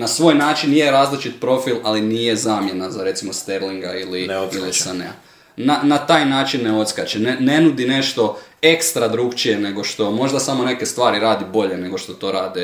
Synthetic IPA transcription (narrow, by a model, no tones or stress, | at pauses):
nasʋo̞ːjnaːt͡ʃinjeɾaːzlit͡ʃit̪pɾo̞filˠaliniːje̞zaːmjenazaɾe̞t̪simo̞st̪eɾliŋɡailinillisanḛa̰ | nanat̪aːjnaːt͡ʃinːeo̞t̪skat͡ʃenene̞nud̪ine̞ʃt̪o̞ekst̪ɾad̪ɾukt͡ʃijene̞ɡo̞ʃt̪o̞mo̞ʒd̪asamo̞ne̞ke̞st̪ʋaːɾiɾaːd̪ibo̞ʎe̞ne̞ɡo̞ʃt̪o̞t̪o̞ɾaːd̪ɛ